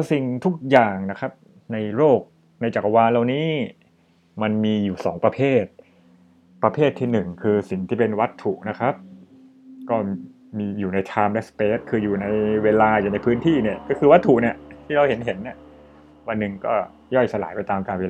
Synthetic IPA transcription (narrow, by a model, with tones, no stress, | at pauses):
si˨˩ŋt̪ʰu˦˥k̚jaː˨˩ŋna˦˥kʰɾa˦˥p̚ | na˧jɾoː˥˩k̚ | na˧jt͡ɕaː˨˩k̚waː˧la˧wniː˦˥ | ma˧nmiː˧juː˨˩sɔ̰ː˩˦ŋpɾa˧pʰeː˥˩t̪̚ | pɾa˧pʰeː˥˩t̪ʰːiː˥˩nɯ˨˩ŋkʰɯː˧si˨˩ŋt̪ʰiː˥˩pe˧nwa˦˥t̪ʰːu˨˩na˦˥kʰa˦˥p̚ | kɔː˥˩ | miː˧juː˨˩na˧jt̪ʰaː˧mlɛ˦˥speː˦˥t̪̚kʰɯː˧juː˨˩na˧jweː˧laː˧juː˨˩na˧jpʰɯː˦˥nt̪ʰiː˥˩ni˥˩ɐkɔː˥˩kʰɯː˧wa˦˥t̪ʰːu˨˩ni˥˩ɐt̪ʰiː˥˩ɾa˧whe˩˦nɦe˩˦nːi˥˩ɐ | wa˧nːɯ˨˩ŋkɔ̰ː˥˩ | jɔ˥˩jsa˧laː˩˦jpa˧jt̪aː˧mkaː˧nweː˧l